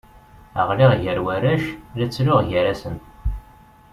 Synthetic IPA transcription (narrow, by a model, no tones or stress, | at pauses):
ə̰ʁliʁʝəɾwæɾæʃlæt͡sːɾoʁʝəɾæsən